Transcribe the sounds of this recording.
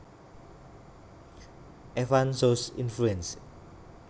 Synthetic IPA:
ɛfansosḭnfluɛ̃ns

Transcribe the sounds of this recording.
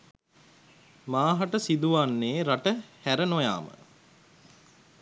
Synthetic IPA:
maːɦaʈəsid̪uʋanːeːɾaʈəhæɾənoja̰ːmə̰

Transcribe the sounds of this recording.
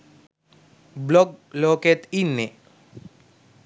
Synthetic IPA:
blɔɡ̚loket̪inːe

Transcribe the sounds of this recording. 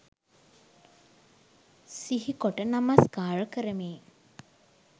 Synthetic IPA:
siɦikoʈənamaskaːɾəkəɾəmeː

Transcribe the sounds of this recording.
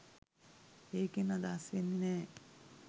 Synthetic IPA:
eːkenad̪aːsʋenːinɛː

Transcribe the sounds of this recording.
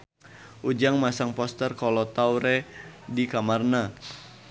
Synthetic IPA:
ʔud͡ʒaŋmasaŋpɔst̪ərkɔlɔt̪auɾɛ | dikamarna

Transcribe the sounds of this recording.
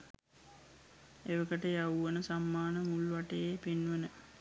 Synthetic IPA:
eʋəkəʈəjawʋənəsamːaːnəmulʋaʈejepinʋənə

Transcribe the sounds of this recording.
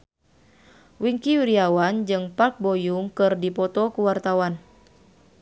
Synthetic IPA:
wiŋkiuɾiawand͡ʒɨŋpark̚bɔjuŋkɨrdipɔt̪ɔkuwart̪awan

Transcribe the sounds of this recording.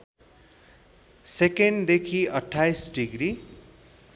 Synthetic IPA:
sekeɳɖd̪ekʰiʌʈʰːajsɖiɡɾi

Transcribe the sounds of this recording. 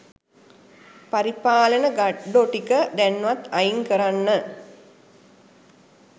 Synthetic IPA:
paɾipaːlənəɡaɖoʈikəd̪ænːʋat̪ːajiŋkəɾanːə

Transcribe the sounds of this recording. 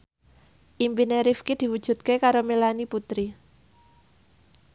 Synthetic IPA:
ʔimpineɾifkid̪̥i̤wud̥ʒ̥ṳt̪̚kekaɾomelaniput̪ɾi

